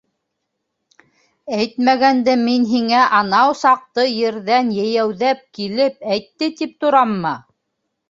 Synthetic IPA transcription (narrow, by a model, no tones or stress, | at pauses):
æjt̪mæɡænd̪ɘminɦiŋæʔɑnɑwsɑq̚t̪ɤjɘ̆ɾðænjɘjæwðæp̚kilɘp̚æjt̪ːɘt̪ip̚t̪ŭɾɑmːɤ